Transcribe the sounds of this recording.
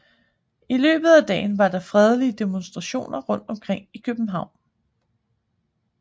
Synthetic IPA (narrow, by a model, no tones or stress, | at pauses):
ilø̰ːb̥ð̩ˠæd̥ɛ̰ːɪnʋɑ̈d̥ɑ̈fʁɛð̞ˠəliəd̥e̝monsd̥ʁɑ̈ɕo̝̰ːnɐʁɔ̽n̰d̥ɒ̽mkʰʁeŋ̰ikʰøb̥m̩ɦɑ̈ʊ̰n